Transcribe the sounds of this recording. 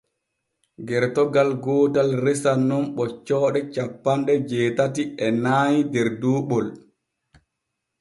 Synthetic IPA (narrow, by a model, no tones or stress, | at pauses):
ɡɛɾtɔɡalɡɔːtalɾɛsanːɔnɓɔt͡ʃːɔːɗɛt͡ʃapːanɗɛd͡ʒɛːtatiɛnaːɲidɛɾduːɓɔl